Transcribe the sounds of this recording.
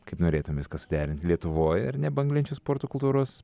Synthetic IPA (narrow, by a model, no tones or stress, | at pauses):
kɐɪpnoːɾʲeːt̪ʊmʲmʋʲɪskɐsʊ̥d̪ʲæːɾʲɪnt̪ʲlʲiɛt̪ʊʋoːjɪ̰ɾnʲɛbɐŋɡlʲɪnʲt͡ʃʲʊspoːɾt̪okʊlˠt̪uːɾoːs